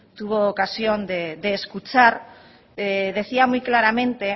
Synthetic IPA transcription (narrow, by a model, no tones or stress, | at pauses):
t̪uβ̞oːkasjond̪ed̪e̞ːskut͡ʃaɾ | ð̞e̞θiamujklaɾamẽ̞nt̪e̞